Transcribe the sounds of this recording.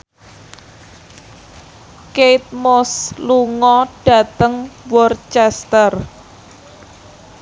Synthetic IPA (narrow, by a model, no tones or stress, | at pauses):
keit̪̚mosluŋɔɖ̥ä̤t̪əŋwɔrt͡ʃɛst̪ər